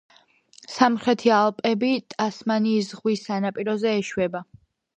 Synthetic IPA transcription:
samχɾɛt̪ʰialˠpʼɛbit̪ʼasmaniːs̬ʁwisːanapʼiɾɔzɛːʃwɛba

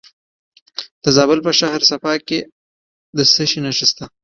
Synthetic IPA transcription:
d̪̥əzɑbɪlpəʃahɾsafɑke | d̪əsəʃinaʃəst̪a

